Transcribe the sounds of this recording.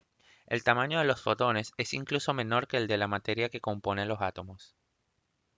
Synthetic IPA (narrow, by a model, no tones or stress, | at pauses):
e̞lt̪amãɲo̞ðe̞lo̞sfo̞t̪o̞ne̞se̞siŋkluso̞me̞no̞ɾke̞ːld̪e̞lamat̪e̞ɾjake̞ko̞mpo̞ne̞lo̞sat̪o̞mo̞s